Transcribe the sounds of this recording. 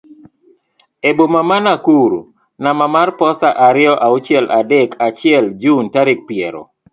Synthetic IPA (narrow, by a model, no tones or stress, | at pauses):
ebomamanakuɾṵ | namamarpɔstaʔaɾɪɔʔaut͡ʃɛlʔadekʰat͡ʃɪɛld͡ʒuntaɾɪk̚piɛɾo̰